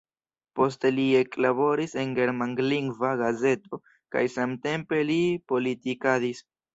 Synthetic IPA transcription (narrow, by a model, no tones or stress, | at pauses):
po̞s̬telie̞klabo̞ɾise̞nɡe̞ɾmaŋɡliŋɡvaɡaze̞to̞ | ka̰jsamte̞mpe̞lipo̞litikadis